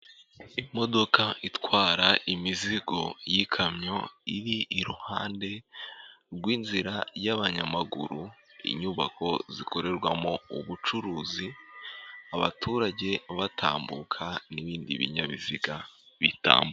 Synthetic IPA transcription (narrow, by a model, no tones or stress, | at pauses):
imo̞do̞kaitwaːɾaimiziɡo̞jikʰamɲo̞iɾiʔːɾuhaːnde̞ | ɾɡwiːnziɾajaβaɲamaɡṵɾu | ḭɲuːβa̰ko̞ziko̞ɾe̞ɾɡwamo̞uβut͡ʃuɾuːzi | aβatʰuɾaɟe̞βatʰa̰ːmbukʰaniβiːndḭβḭɲaβḭziɡa | βita̰ːmb